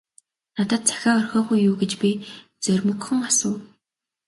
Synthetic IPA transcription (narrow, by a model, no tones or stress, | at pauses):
nat̪ə̆t̪̚t͡sḁxʲaːɔrxʲɔːχujːuːɡet͡ɕpʲi | t͡sœrʲmɵ̆kxɵ̆ŋasʊː